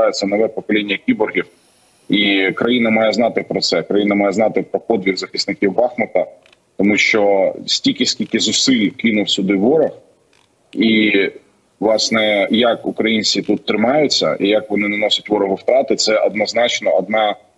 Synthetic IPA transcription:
ɑjɪt͡sʲːɐnɔʋɛpɔklʲinʲːɐkʲibɔrɦʲiw | ikɾɐjinɐmɑjɛznɑt̪ɪpɾɔt̪sɛkɾɐjinɐmɑjɛznɑt̪ɪpɾɔpɔd̪ʋʲiɣzɐxɪsnɪkʲiwbɑxmɔt̪ɐ | t̪ɔmuʃt͡ʃɔsʲtʲilʲkʲɪsʲkʲilʲkɪzʊsɪlʲkɪnʊwsʲʊd̪ɪʋːɔɾɐx | i | ʋlˠɑsnɛjɐkʊkɾɐjinʲt͡sʲit̪ut̪ːɾɪmɑjʊt͡sʲːɐ̰ijɐkʋɔnɪnɐnɔsʲʊtʲʋɔɾɔɦʊwt̪ɾɑt̪ɪt̪sɛʔɐd̪nɐznɑt͡ʃnɔɐd̪̚nɑ

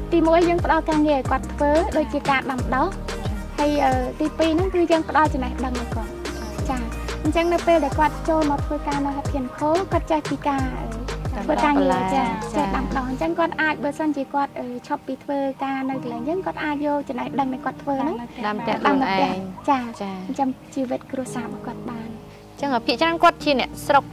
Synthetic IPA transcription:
t̪iːmuəjːəːŋpə̆ɗɑlkaːŋiəʔaɔjkŏət̪ʰːʋəːɗoːc̚t͡ɕiəkaːɗamə̆ɗɑhhajʔəːt̪iːpiːnɨŋkɨːjəːŋpə̆ɗɑlt͡ɕɑmnahɗəŋnɨkŏət̚ | t͡ɕaːɲt͡ɕəŋnɨwpeːlɗaɛlkŏət̪̚t͡ɕoːlmaːwt̪ʰʋəːkaːnɨwɦat̪ʰiənkʰoːkŏət̪̚t͡ɕəhpiːkaːʔəːt̪ʋəːkaːŋiət͡ɕaːt͡ɕəhɗampə̆ɗɑhɲt͡ɕəŋkŏət̪̚ʔaːc̚ɓəːsənt͡ɕiəkŏət̪̚ʔəːt͡ɕʰopːiːt̪ʰʋəːkaːnɨwk̪ʰəlɛːŋjəːŋkŏət̪̚ʔaːc̚jolt͡ɕɑmnahɗəŋɗaɛkŏət̪ʰʋəːnɨŋmt̪ɛɗəŋnɨp̪ɛ̆əhɲt͡ɕaːt͡ɕɲt͡ɕəŋt͡ɕiːʋɨt̪̚kruəsaːɓɑːkŏət̪̚ɓaːn | t͡ɕəŋʔəːpʰiəʔt͡ɕrankŏət̪̚t͡ɕiənɛ̆əʔsrok̚

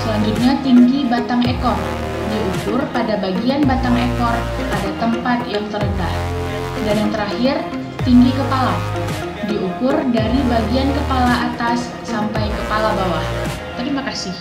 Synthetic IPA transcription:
səlaɲd͡ʒut̪̚ɲat̪iŋɡibat̪aŋekɔr | diukʊrpadabaɡianbat̪aŋekɔr | ʔadat̪əmpat̪jaŋt̪əɾəndah | danjaŋt̪əɾahɪr | t̪iŋɡikəpala | diʔukʊrdaɾibaɡiankəpalaʔːt̪asːampajkəpalabawah | t̪əɾimakasɪh

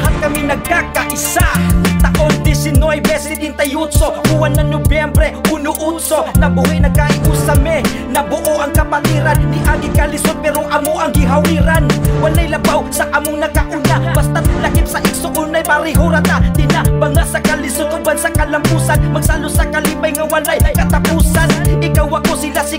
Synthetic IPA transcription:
ɦat̪̚kɐmɪnɐɡ̚kakɐʔɪsat̪ɐʔond̪ɪsɪnojbɛsd̪ɪnt̪ɐjut̪soʔuwanːɐnobjɛmbɾɛʔunʊʔut̪sonɐbʊhɪjnɐɡ̚kaʔɪʔusɐmɛ | nɐbʊʔoʔɐŋkɐpat̪iːɾannɪʔaɡɪkalɪsod̪̚pɛːɾoʔɐmoʔɐŋɡɪɦawiːɾanwalajlɐbawsɐʔamʊŋnɐkaʔʊnabast̪alɐkɪpsɐʔɪksoʔunajpaɾɪɦʊɾat̪at̪ɪnabɐŋasɐkɐlɪsʊd̪̚ʊwansɐkɐlampuːsanmɐɡsalosɐkaliːpajŋawalajkkɐt̪apuːsanʔɪkawakosɪlasɪ

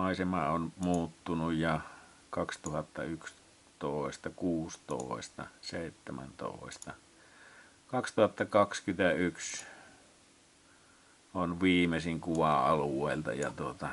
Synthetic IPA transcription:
ɑˑesemɑ̰onmuːt̪ːunujjɑ | kɑkst̪uhɑt̪ːɑyks | t̪oˑest̪ɑkuːst̪o̰ˑest̪ɑ̰seˑit̪ːæmæ̰nt̪o̰ˑest̪ɑ | kɑkst̪uhɑt̪ːɑkɑkskyt̪æyks | onʋiːmesiŋkuʋɑɑluwˑeˑilt̪ɑ̰jɑ̰t̪uot̪ɑ

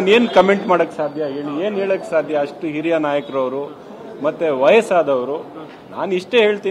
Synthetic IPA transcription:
ne̞ːnkɐmeɳʈmaːɽɐkːesaːd̪ʱjɐɦeːɭieːnɦeːɭɐkːesaːd̪ʱjɐːʂʈuɦiɾijɐnaːjɐkɾɐʋɾu | mɐt̪ːeʋɐjɐsaːd̪ɐʋɐɾu | naːniʂʈe̞ːɦe̞ːɭt̪i

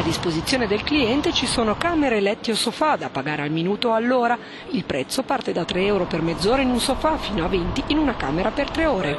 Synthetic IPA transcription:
ad̪ispozit̪sːjoːned̪elkliɛnt̪et͡ʃisoːnokaːmeɾelɛt̪ːiosofad̪apaɡaːɾealminuːt̪oalːoːɾa | ilpɾɛt̪sːopart̪ed̪at̪ɾeɛwɾopermed̪zːoːɾeinunsofafiːnoavent̪iinunaka̰ːmeɾapert̪ɾeoːɾe

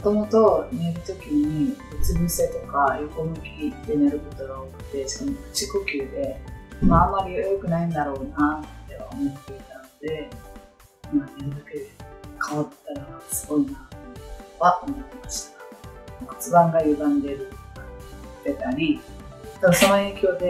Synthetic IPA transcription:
mot̪o̞mo̞t̪o̞ne̞ɾɯ̟t̪o̞kʲiɲ̟ibet͡sɨbɯse̞t̪o̞kajokomɯ̟kʲid̪e̞neɾɯ̟ko̞t̪o̞ɡaokɯ̥t̪ːe̞d͡ʑi̥kamokɯ̟̥t͡ɕikokʲɨːd̪e̞maːmːaɾʲiokɯ̟naĩnd̪aɾo̞ːnat̪ːe̞βa̰o̰mot̪eit̪anod̪e̞ | maneɾɯd̪aked̪ekʰaβat̪ːaɾiɡasɨ̥ɡo̞inat̪oɯotoβaʔomaot̪ːemaɕi̥t̪ḁmko̥t͡sɨbãŋɡajɯ̟d̪ãnd̪e̞ɾɯ̟kt̪e̞t̪aɾʲid̪aaso̞noe̞ːkʲo̞ːd̪e̞

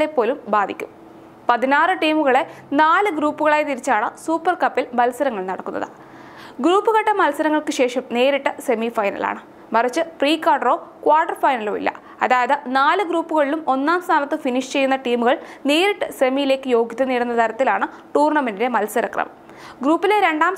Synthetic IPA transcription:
ɭepːo̞ːlumbaːd̪ʱikʲːum | pɐðinaːrɨʈiːmuɣɐɭe̞ | naːlɨɡɾuːpːuɣɐɭaːjt̪iɾit͡ɕːaːɳɨsuːpːɐrkɐpːilmɐlsɐɾɐŋːɐɭnɐɽɐkːunːɐ̰ðɨ̰ | ɡɾuːpːuɣɐʈːɐmɐlsɐɾɐŋːɐɭkɨɕe̞ːʂɐmne̞ːɾiʈːɐse̞mifɐjnɐ̰la̰ːɳɨ | mɐrɐt͡ɕːɨpriːkːaːʈɐro̞ːkwaːʈːɐrfɐjnɐlo̞ːḭlːɐ̰ | ɐðaːjɐðɨnaːlɨɡɾuːpːuɣɐɭilumo̞nːaːmst̪ʰaːnɐt̪ːɨfiniʂt͡ɕe̞jːunːɐʈiːmuɣɐɭneːɾiʈːɨse̞mijile̞ːkːɨjo̞ːɡʱjiðɐniːɽunːɐt̪ɐɾɐt̪ːilaːɳɨ | ʈuːrɳɐmenide̞mɐlsɐɾɐkrɐ̰mɐ̰m | ɡɾuːpːileɾe̞ɳɖaːm

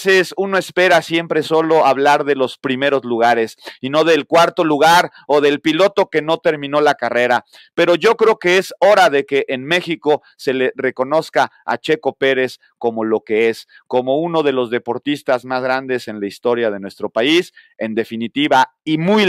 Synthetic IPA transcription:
sesuno̞e̞spe̞ɾasje̞mpɾe̞so̞lo̞aβlaɾðe̞lo̞spɾime̞ɾo̞zluɣ̞aɾe̞sino̞ðelkwaɾt̪o̞luɣaɾ | oðelpilo̞t̪o̞ke̞no̞t̪e̞ɾmĩno̞lakare̞ɾa | pe̞ɾo̞ʝo̞kɾeoke̞eso̞ɾaðe̞keʔenme̞xiko̞ | se̞le̞re̞ko̞no̞ska | a̰t͡ʃe̞ko̞pe̞ɾe̞s | ko̞mo̞lo̞ke̞es | ko̞mo̞uno̞ðe̞lo̞zðe̞po̞ɾt̪ist̪azmazɣɾand̪e̞se̞nlaist̪o̞ɾjað̞e̞nwe̞st̪ɾo̞paise̞nd̪e̞finit̪iβa | imuj

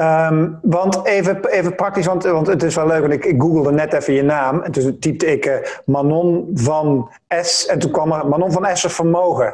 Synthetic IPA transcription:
əmʋɑntejvəejvəprɑk̚tis̬ʋɑntʋɑntətɪsʋɛlːøɥkʋɑntɪkɪk̚ɡuɡəlˠdənɛtɛfəjənaːmɛntuntip̚təɪkəmanɔnvɑn | ɛsɛntunkʋɑmərmanɔnvɑnɛsəfərmowɣə

